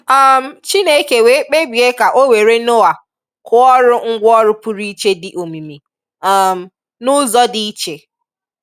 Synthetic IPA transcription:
a˨m̩˦˨˦t͡ʃi˦ne˨e˦ke˨we˨˦k͡pe˦ɡ͡bi˨e˦ka˨ʔo˦we˨ɾe˦no˦a˨ | kʰʊ˦ɔ˦ɾʊ˦ŋ̩˦ɡʷɔ˦ɾʊ˦pu˦ɾi˦i˦t͡ʃe˦dɪ˨ʔo˨mi˨mi˨ | a˨m̩˦ | nʊ˦zɔ˦di˦i˦t͡ʃe˨

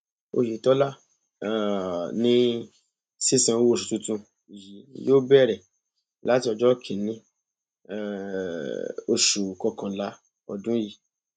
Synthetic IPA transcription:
o̰˧˨ji˨tɔ˨˦la˦˨ | nĩ˦ | si˦sã˧˦wo˦˨ʃu˨tũ˧tũ˧ | i˨ji˨˦joː˦bɛ˦˨ɾɛ˨ | la˦ti˧˦ɔ˧d͡ʒɔ˦kʰi˨nĩ˧˦ | ɛ˨ | o˧ʃu˨kɔ˧kã˨la˦ | ɔ̰˧dũ˦ji˧˨

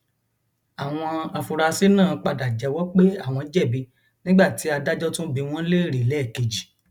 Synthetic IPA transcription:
a˨w̃ɔ̃˧a˧fu˧ɾa˧si˨˦nãː˦˨k͡pa˨da˨d͡ʒɛ˨˦wɔ˦k͡pe˦a˦˨w̃ɔ̃˧˦d͡ʒɛ˦˨bi˧ | nĩ˦ɡ͡ba˦˨ti˨˦a˧da˦d͡ʒɔ˦tũ˦bi˧w̃ɔ̃˦le˦˨ɾi˨lɛ˦˨ke˨d͡ʒi˨

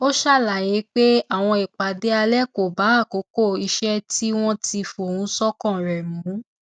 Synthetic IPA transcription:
o˦ʃa˦˨la˨je˨˦k͡pe˦a˦˨w̃ɔ̃˧i˨k͡pa˨˦de˦a˧lɛ˦˨ko˨ba˨˦˨ko˨˦ko˦˨i˧ʃɛ˦ti˦w̃ɔ̃˦ti˧fu˨o˨hũ˨˦sɔ˦kɔ̃˦˨ɾɛ˨mũ˨˦

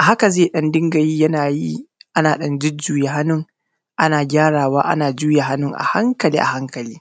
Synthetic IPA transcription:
ʔa˨ɦa˦ka˨zeː˦˨ɗɐ˦ndɪ˦ŋɡɐ˨jiː˦jɐ˦naː˨ji˦ʔa˦naː˨ɗɐ˦nd͡ʒɪ˦d͡ʒuː˦je˨ɦa˦nʊ˦ŋ | ʔa˦naː˨ɡʲaː˦ɽaː˨waː˦ʔa̰˦naː˨d͡ʒuː˦ja˨ɦa˦nʊ˦ŋʔa̰˨ha˦ŋkɐ˨liː˦ʔa̰˨ha˦ŋkɐ˨liː˦

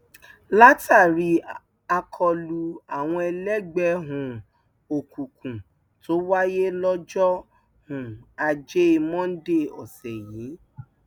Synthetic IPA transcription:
la˦tʰa˦˨ɾi˨˧ | a˧kʰɔ˧lu˧a˨w̃ɔ̃˧ɛ˧lɛ˦ɡ͡bɛ˧˦ɦũ˨ | o˨kũ˨kũ˨ | to˨˦wa˦je˦lɔ˦d͡ʒɔ˦ | hũ˨a˧d͡ʒe˦i˧mɔ̃˦n̩˦de˦˨ɔ̰˨sɛ˨jĩ˨˦

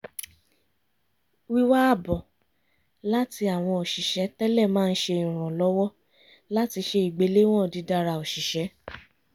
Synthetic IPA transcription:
wi˦wa˦a˦˨bɔ˨ | la˦ti˧a˨w̃ɔ̃˧o˨ʃi˨ʃɛ˨˦tɛ˦lɛ˦˨mãː˦˧n̩˦ʃe˧ĩ˨ɾ̃ɔ̃˨lɔ˨˦wɔ˦ | la˦ti˧ʃe˧i˨ɡ͡be˨˦le˦w̃ɔ̃˦˨di˨˧da˧ɾa˧o˨ʃi˨ʃɛ˨˦

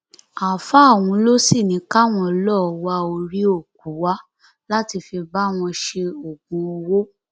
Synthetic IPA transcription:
a˨fa˦˨w̃ũ˧˦lo˦si˦˨nĩ˨˦ka˦w̃ɔ̃˧lɔ˦˨wa˧o˧ɾi˦o˦˨k̚u˨˦wa˦ | la˦ti˧fi˧ba˦w̃ɔ̃˧ʃe˧o˨ɡũ˨˧o˧wo˦

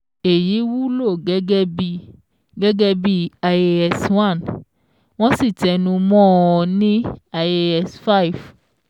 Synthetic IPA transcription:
e˨ji˨˦wu˦lo˦˨ɡɛ˦ɡɛ˦bi˦ | ɡɛ˦ɡɛ˦bi˦a˨je˦ɛ˧swã˦˨n | w̃ɔ̃˦si˦˨tɛ˨nũ˧mɔ̃˦ɔ˧˨nĩ˦a˨e˦ɛ˧sfa˦i˨v

